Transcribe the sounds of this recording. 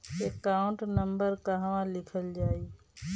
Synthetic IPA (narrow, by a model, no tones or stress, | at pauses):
ekaːʊ̃ɳʈnəmbəɾkaɦʋãːlɪkʰəld͡ʒaːiː